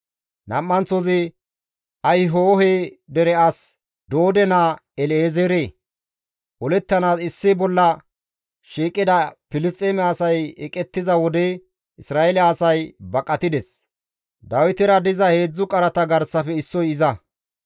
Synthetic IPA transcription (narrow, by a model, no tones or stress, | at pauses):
nɐ̰mːɐnt͡sɔzɪ | ɐjɦoːɦeːd̪ɛɾɛɐs | d̪o̞ːd̪ɛnaː | ɛleːzeɾeː | ʔɔlɛt̪ːɐnaːsɪsːɪbɔlːɐ | ʃiːkʼːɪd̪ɐpɪlɪst̪ʼeːmɛɐsɐjɛkʼɛt̪ːɪzɐwɔd̪ɛ | ʔɪsɾaːɛlɪːsɐjbɐkʼːɐt̪ɪd̪ɛs | d̪ɐwɪt̪ɪɾɐd̪ɪzɐhe̞ːd͡zːʊkʼɐɾɐt̪ɐɡɐɾsɐfɛɪsːɔjɪzɐ